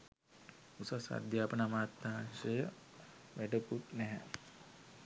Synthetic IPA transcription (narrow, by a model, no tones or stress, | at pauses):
usasa̰d̪ʱjaːpənamaːt̪maɦansəjə | ʋæɖəkut̪nɛɦɛ